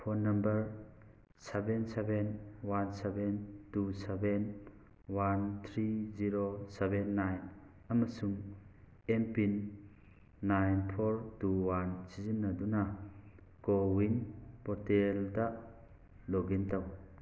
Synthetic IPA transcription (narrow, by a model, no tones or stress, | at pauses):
pʰoɾnɐmbɐɾ | sebensebenwansebentuseben | want̪ʰɾiziɾosebenːajn | ɐmɐsuŋ | empinː | ajnpʰoɾtuwansizinːaduna | ɡowinpɔɾtelda | loɡintaw